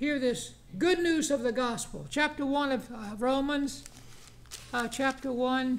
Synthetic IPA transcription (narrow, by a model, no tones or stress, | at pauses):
hiɹðɪs | ɡ̥ʊdⁿnʉzʌvðɨɡɑspl̩ˠt͡ʃʰæp̚tə˞wʌ̃nʌvɹõʊ̃mɨ̃nz̥ | t͡ʃʰæp̚tə˞wʌ̃n